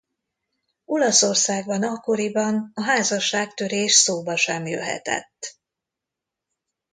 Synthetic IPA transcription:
olɒso̞rsaːɡbɒnɒkːo̞ɾibɒnɒɦaːzɒʃaːkt̪ø̞ɾeːʃsoːbɒʃɛmjø̰ɦɛ̰t̪ɛ̰t̪ː

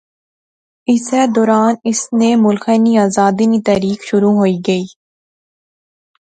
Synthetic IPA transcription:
ɪsed̪ɔːɾaːnɪsnẽmʊlxeniaːzaːd̪init̪ɛːɾiːkʃʊɾuɦoːiɡɐiː

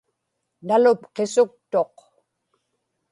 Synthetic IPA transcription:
nalʊpqesʊk̚t̪o̞q

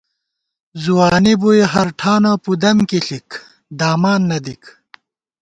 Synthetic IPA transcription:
zuwaːnibujɦɐɾʈʰaːnapud̪ɐmkiɬik | d̪aːmaːnːɐd̪ik

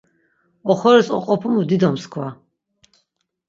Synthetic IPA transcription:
ɔχɔɾɛsɔ̰qʼɔpʰumud̪id̪ɔmskʰwa

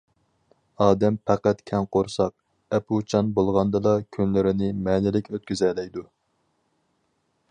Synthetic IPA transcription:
ɑːd̪ɛmpʰæqæt̪kʲʰɛnqʰoɾsɑq̚ | ɛpʰut͡ʃʰɑnbolˠʁɑnd̪ɨd̪ɑkʲʰynlɪɾɪnɪmɛːnɪlɪkʲøt̪̚kʲyzɛlɛjd̪u

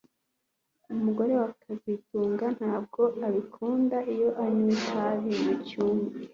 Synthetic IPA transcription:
umuɡo̞ɾe̞wakʰazituːŋɡan̥haːb̚ɡo̞aβikʰuːndaʔijo̞ʔaɲwikaβinicuːmɡi

